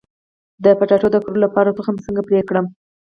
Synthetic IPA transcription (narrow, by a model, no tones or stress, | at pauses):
d̪əpaʈɑʈod̪əkɾolapɑɾat̪əxamsəŋɡapɾekɽəm